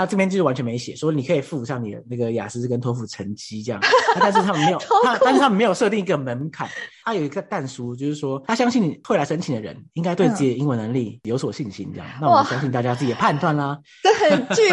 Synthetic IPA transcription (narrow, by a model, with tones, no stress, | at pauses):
na˥˩ʈ͡ʂɤ˥˩pjɛ˥t͡ɕ̩˥˧˥wa˦nt͡ɕʰɥɛ˧˥me˧˦ɪɕjɛ̰˨˩ʂwɔ˥ni˨˩kʰɤ˧˥i˨˩fu˥˩u˨˩ɕɑ˥˩ŋni˨˩d̪ə̰˩na˥˩ɡə˩ja̰˨˩sɹ̩˥kə˥nt̪ʰo˧ʊfu˨˩ʈ͡ʂʰə˧˥nt͡ɕi˥ə˥˧jɑ̰˥˩˥a˥˧nʂɻ̩˥t̪ʰa˥mə˨nme˧˥jo˨˥a˥nʂɻ̩˥t̪ʰə˨me˧˥ɪjʂɤ˥˧t̪i˥˩ŋi˧˥ɡə˨mə˧˦˥nkʰa̰˨˩˦nt̪ʰa˥jo˨˩ʊi˧˥ɡə˧t̪a˥˩nʂu˥t͡ɕjo˥˧ʊʂɻ̩˥˩ʂwɔ˦˥t̪ʰa˥ɕjɑ˥ŋɕi˥˩nni˨˩we˥˩la˧ɪʂə˥nt͡ɕʰi˨˩nd̪ə˦ɻə̰˧˦ni˦˥ŋka˥ɪt̪we˥˧ɪ˥˩i˨˩˨i˧˥ŋwə˧˦nə˧˦ŋli˥˩jo˧˥ʊswɔ˨˩ɕi˥˨˩nɕḭ˧˥n˧˥jɑ̰˥˩ŋna˥˩˨ɕjɑ˥ŋɕi˥˧t̪a˥˩t͡ɕja˦t͡sɹ̩˥˩t͡ɕɛ˨˩pʰa˥˧nt̪wa˥˩nlɐ˩˥